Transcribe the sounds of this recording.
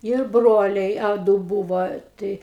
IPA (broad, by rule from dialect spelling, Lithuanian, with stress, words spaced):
ɪr ˈbroːlʲɛɪ ɐ ˈdʊ ˈbuːʋoː ˈtɐɪ